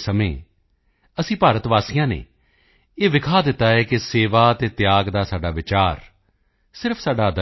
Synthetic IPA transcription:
səmḛ̃ː | əsĩːpaːɾət̪ʋaːsijãːnḛː | eːʋɪkʰaːd̪ɪt̪ːaːɦɛːkɪseːʋaːət̪eːt̪jaːɡd̪aːsaːɖaːʋɪt͡ʃaːɾ | sɪɾəpʰsaːɖaːd̪

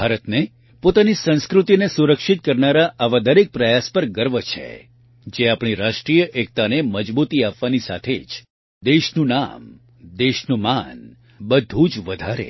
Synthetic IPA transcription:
bʱaɾət̪ne | pot̪anisə̃ñskɾut̪inesuɾəkʃit̪̚kəɾnaɾaʔaʋad̪əɾek̚pɾəjaspəɾɡəɾʋət͡ʃʰḛ | d͡ʒeapɳ̃iɾaʃʈɾijəʔek̚t̪aneməd͡ʒbut̪iapʋanisa̰t̪ʰed͡ʒ | d̪eʃnũna̰m | d̪eʃnũman | bəd̪ʱũd͡ʒʋəd̪ʱaɾḛ

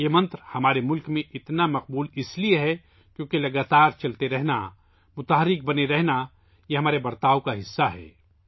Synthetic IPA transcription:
jemɐ̃nt̪ɾhɐmaːɾemʊlkmẽʔɪt̪namɐq̚buːlɪslieɦɛ | kjõːkelɐɡaːt̪aːɾt͡ʃɐlt̪eɾɛɦna̰ | mʊt̪aːɦəɾɪk̚bɐneɾɛɦna | jeɦɐmaːɾebɐɾt̪aːokaɦɪsːaɦɛ̰ː

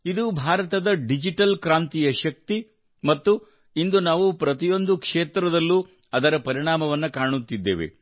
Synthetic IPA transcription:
id̪ubʱaːɾɐt̪ɐd̪ɐɖid͡ʒiʈɐlkɾaːnt̪ijɐʃɐk̚t̪i | mɐt̪ːu | ind̪unaːʋupɾɐt̪ijo̞nd̪ukʂeːt̪ɾɐd̪ɐlːu | ɐd̪ɐɾɐpɐɾiɳaːmɐʋɐnːɐkaːɳut̪ːid̪ːe̞̰ːʋḛ

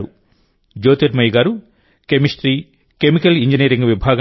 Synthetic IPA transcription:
ɾu | d͡ʒoːt̪eɾmɐjɡaːɾu | kemisʈɾi | kemikɐliɲd͡ʒiniːɾiŋɡʋibʱaːɡɐ

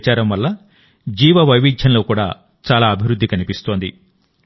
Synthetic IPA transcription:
t͡ʃaːɾɐmʋɐlːɐ | d͡ʒiːʋɐʋɐjʋiːd͡ʒʱjɐnlo̞ːkuːɽa̰ː | t͡ʃaːlaːɐbʱiʋɾud̪ːikɐnipist̪oːnd̪ḭ

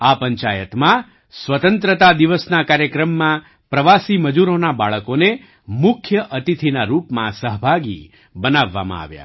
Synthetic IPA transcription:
apəɲt͡ʃajət̪mã | sʋət̪ənt̪ɾət̪ad̪iʋəsnakaɾjəkɾəmːã | pɾəʋasiməd͡ʒuɾonabaɭəkone | mʊkʰjəʔət̪it̪ʰinaɾupmã̰səɦbʱaɡḭ | bənaʋːa̰mã̰a̰ʋja̰

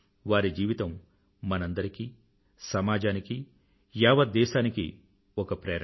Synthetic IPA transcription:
ʋaːɾid͡ʒiːʋit̪ɐmː | ɐnɐnd̪ɐɾiki | sɐmaːd͡ʒaːniki | jaːʋɐd̪ɛːʃaːniki | ɔkɐpɾeːɾ

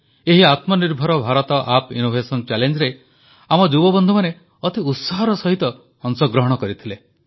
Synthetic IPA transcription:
eɦiat̪mɔniɾbʱɔɾɔbʱaɾɔt̪ɔʔapḭnobʱesɔnt͡ʃɛlend͡ʒɾe | amɔd͡ʒubɔbɔnd̪ʱumane | ɔt̪iut̪saɦɔɾɔsɔɦit̪ɔ | ɔŋsɔɡɾɔɦɔɽ̃ɔkɔɾit̪ʰile

